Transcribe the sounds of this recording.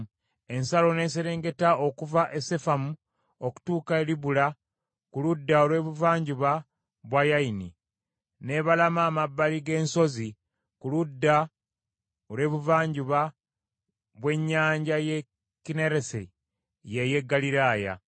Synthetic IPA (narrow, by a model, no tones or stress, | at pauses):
e̞nsalo̞ne̞ːseɾe̞ːŋɡe̞tao̞kuvaʔe̞se̞famu | o̞ku̥tuːkaeliβula | kuludːaolwe̞ːβuvaːɲɟuβa | βwajainḭ | ne̞βalamaːmabːaliɡe̞ːnso̞zi | kuludːa | olwe̞ːβuvaːɲɟuβa | βwe̞ɲːaːɲɟaje | kineɾesḛ | jeje̞ɡːaliɾaːja̰